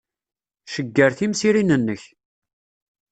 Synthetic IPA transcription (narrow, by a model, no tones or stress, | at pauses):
ʃəɡːəɾθimsiɾinənːəç